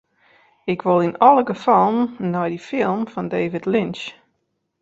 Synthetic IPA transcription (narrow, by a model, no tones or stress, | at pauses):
ɪkʰʋʊlˠinɔlˠəɡəfɔlˠənːɔjdifɪlˠmfɔndeːvɪtlɪnt͡ʃ